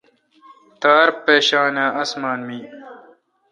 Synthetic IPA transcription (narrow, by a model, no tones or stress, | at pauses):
t̪aːɾpeːɕaːnaːʔɐsmaːnmiː